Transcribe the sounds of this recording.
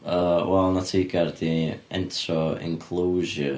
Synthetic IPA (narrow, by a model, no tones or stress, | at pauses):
əwɛlˠnatʰiːɡardiɛntʰrɔɪ̰ŋkʰlˠoːʒə